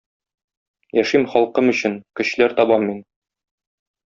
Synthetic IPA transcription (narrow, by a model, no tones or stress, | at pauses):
jæʃimχɒlˠqɤmɵ̆ɕɘnkɘ̆ɕlæɾt̪ɒbɑmːin